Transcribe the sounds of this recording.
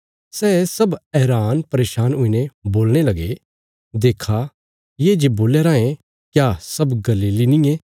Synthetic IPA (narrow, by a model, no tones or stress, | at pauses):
sɛːsɐbɛːɾaːnpɐɾeːʃaːnʊinẽboːlɽ̃elɐɡe | d̪eːkʰa | jeːd͡ʒeboːleːɾaːẽ | kjasɐbɡɐliːlinɪ̃e